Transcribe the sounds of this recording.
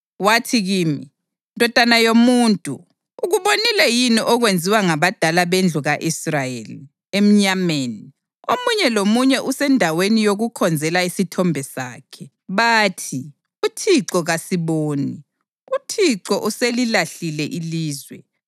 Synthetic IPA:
watʰiɣiːmi | ndʱɔd̥ʱanajomuːntʼṵː | ɣuβonilɛjiniʔɔɣwend͡zʱiwaŋaβad̥ʱalaβend͡ɮʱuɣaʔisrajḛli | em̩ɲameːni | omuɲɛlomuɲɛʔusɛndʱawenijoɣukʰɔnd͡zʱɛlaisitʰɔmbʱɛsa̰ːkʰɛ | βaːtʰi | utʰiǃɔɣasiβoːni | utʰiǃɔʔuselilaɬilɛʔiliːzwɛ̰

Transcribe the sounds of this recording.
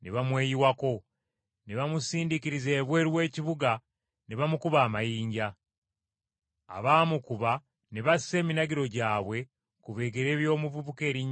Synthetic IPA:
neβamwe̞ːjiwako̞ | neβamusiːndiciɾize̞ːβwe̞ːɾiwe̞ːciβuɡa | neβamukuβaːmajiːɲɟa | βaːmukuβa | neβasi̥se̞ːminaɡiɾo̞ɟaːβwe̞ | kuβe̞ːɡe̞ɾe̞ːβjo̞ːmuβuβuke̞ːɾiɲ

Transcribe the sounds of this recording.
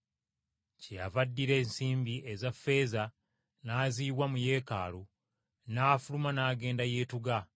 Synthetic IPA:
ceja̰vadːiɾe̞ːnsiːmbiʔezafːe̞ːza | naːziːβwamuje̞ːka̰ːlu | naːfulumanaːɡe̞ːndaje̞ːtuɡa

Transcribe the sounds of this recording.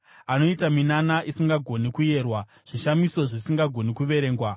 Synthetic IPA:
ano̞itaminanaʔisiŋɡaɡʱo̞nikuje̞ːrwa | ʐ̥iʃamiso̞ʐisiŋɡaɡʱo̞nikuʋe̞ɾe̞ːŋɡwa

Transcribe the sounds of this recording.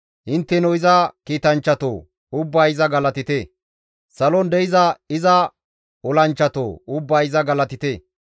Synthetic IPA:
hɪnt̪ːɛnɔɪzɐkiːt̪ɐnt͡ʃːɐt̪o̰ː | ʊbːaːɪzɐɡɐlɐt̪ɪt̪eː | sɐlɔnd̪ɛɪzɐɪzɐ | ɔlɐnt͡ʃːɐt̪o̰ːʊbːaːɪzɐɡɐlɐt̪ɪt̪eː

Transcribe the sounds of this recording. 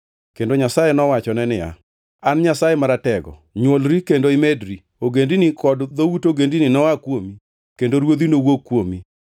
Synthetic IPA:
kendoɲasajenɔwat͡ʃɔnɛnɪja̰ | anɲasajemaɾatɛɡɔ̰ɲwolɾikendoɪmedɾi | oɡendinikʰɔdðowutoɡendinɪnɔwakwomi | kendoɾwod̪inowokːwomi

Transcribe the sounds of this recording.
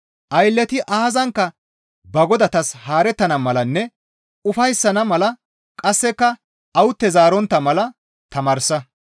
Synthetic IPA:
ʔɐjlːɛt̪ɪʔaːzɐŋkːɐ | bɐɡɔd̪ɐt̪ɐshaːɾɛt̪ːɐnɐmɐlɐnːɛ | ʊfɐjsːɐnɐmɐlɐ | kʼɐsːɛkːɐ | ʔɐwʊt̪ːɛzaːɾɔnt̪ːɐmɐlɐ | t̪ɐmɐːɾsɐ

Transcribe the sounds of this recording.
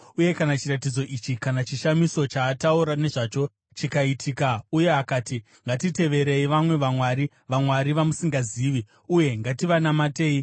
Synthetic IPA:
uje̞kanat͡ʃiratid͡zo̞ʔit͡ʃikanat͡ʃiʃamiso̞t͡ʃaːtauɾane̞ʐaːt͡ʃo̞ | t͡ʃikaitʰiːkauje̞akati | ŋɡatite̞ʋe̞ɾe̞iʋamwe̞ʋamwaɾi | ʋamwaɾiʋamusiŋɡaziːʋi | uje̞ŋɡatiʋanamateːi

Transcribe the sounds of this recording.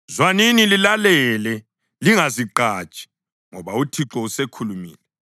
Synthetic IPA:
zwaninililalɛlɛ | liŋaziǃaːt͡ʃʼi̥ | ŋɔβautʰiǁɔusekʰulumḭːlɛ

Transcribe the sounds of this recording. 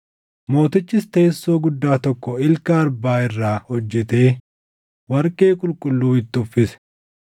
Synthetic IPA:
mo̞ːt̪ɪt͡ʃːɪst̪eːsːo̞ːɡʊd̪ːaːt̪ɔkːɔɪlkɐːɾbaːɪrːaːhɔd͡ʒːɛt̪e̞ː | wɐɾkʼe̞ːkʼʊlkʼʊlːuːɪt̪ːɪʊfːɪsɛ̥

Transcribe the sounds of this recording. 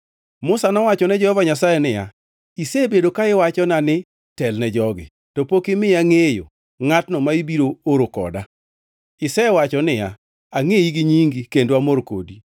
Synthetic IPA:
mʊsanɔwat͡ʃɔnɛd͡ʒɔhɔvaɲasajɛnɪja̰ | isebedokaɪwat͡ʃɔnanɪ | tɛlnɛd͡ʒɔɡɪ̰ | tɔpokɪmɪaŋejo̰ | ŋatnɔmaibiɾooɾokɔ̰da | ɪsɛwat͡ʃɔnɪja̰ | aŋejiɡɪɲiŋɡikendoamoɾko̰di

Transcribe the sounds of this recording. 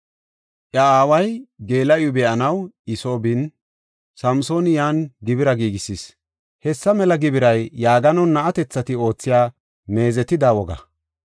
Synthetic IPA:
ʔjɐaːwɐjɡe̞ːlɐjʊbɛɐnɐwɪso̞ːbɪn | sɐmso̞ːnɪjaːnɡɪbɪɾɐɡiːɡɪsːis | hɛsːɐmɛlɐɡɪbɪɾɐjːaːɡɐnɐwnːɐʔɐt̪ɛt͡sːɐt̪ɪo̞ːt͡sːɪjaː | me̞ːzɛt̪ːɪd̪aːwɔɡɐ̰

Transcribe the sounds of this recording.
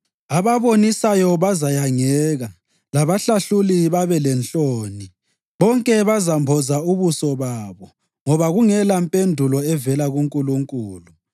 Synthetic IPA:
aβaβonisajɔβazajaŋɛːɣa | laβaɬaɬuliβaβɛlɛnɬʼoːni | βɔŋkʼɛβazambʱɔzauβusɔβaːβɔ | ŋɔβaɣuŋɛlampʼendʱulɔɛvɛlaɣuŋkʼuluŋkʼuːlu

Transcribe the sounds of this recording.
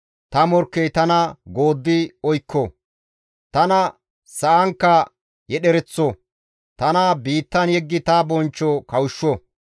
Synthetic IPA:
t̪ɐmɔɾkːɛjt̪ɐnɐɡoːd̪ːɪɔjkʰːɔ | t̪ɐnɐ | sɐʔɐŋkːɐ | jɛɗɛɾɛt͡sːɔ | t̪ɐnɐbiːt̪ːɐnjɛɡːɪt̪ɐbɔnt͡ʃːɔkɐwʊʃːɔ

